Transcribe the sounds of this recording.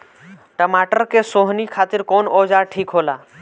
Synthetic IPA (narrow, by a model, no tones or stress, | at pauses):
ʈəmaːʈəɾkesoːɦnikʰaːt̪ɪɾkoːnɔːd͡ʒaʈʰiːkɦoːlaː